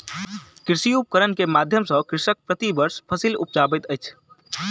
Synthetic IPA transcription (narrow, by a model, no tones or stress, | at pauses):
kɾɪsijup̚kəɾənkemaːd̪ʱjəmsə̃kɾɪʃək̚pɾət̪ibəɾspʰəsilʊ̰p̚d͡ʒaːbət̪əjt͡ʃʰ